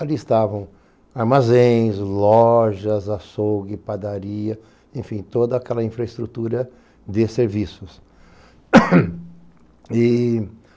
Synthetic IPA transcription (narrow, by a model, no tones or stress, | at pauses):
aliɪst̪avɐ̃w̃ | aɾmazẽj̃slɔʒɐzasoɡɪpad̪aɾiɐ | ẽfĩt̪od̪ɐakɛlɐĩfɾɐɪst̪ɾut̪uɾɐ | d̪ɪseɾvisʊs | ɪ